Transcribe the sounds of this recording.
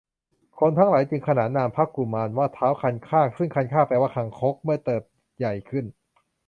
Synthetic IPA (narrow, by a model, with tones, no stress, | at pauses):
kʰo˧nt̪ʰaː˦˥ŋlaː˩˦jt͡ɕɯ˧ŋkʰa˧naː˩˦nːaː˧mpʰaː˦˥˩p̚kːu˨˩maː˧nwaː˥˩t̪ʰaː˦˥wkʰa˧nkʰaː˥˩sɯ˥˩ŋkʰa˧nkʰaː˥˩paː˧waː˥˩kʰa˧ŋkʰo˦˥k̚mɯ˥˩ɐt̪ɤː˨˩p̚ | ja˨˩jkʰɯ˥˩n